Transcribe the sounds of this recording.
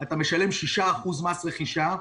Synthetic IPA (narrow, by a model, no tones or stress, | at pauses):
at̪ameʃale̞mʃiʃaːχuzmasʁeχiʃa